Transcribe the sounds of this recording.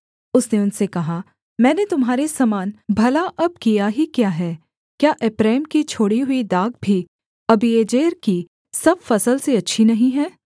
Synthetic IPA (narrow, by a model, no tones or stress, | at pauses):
ʊsneʊnsekɐɦa | mɛ̃ːnet̪ʊmɦaːɾesɐmaːnbʱɐlaʔɐb̚kijaɦikjaːɦɛː | kjaːʔepɾɛːmkit͡ʃʰoːɽiɦʊid̪aːɡ̚bʱi | ɐbieːd͡ʒeːɾki | sɐbfɐsəlseɐtːʃʰinɐɦĩɦɛː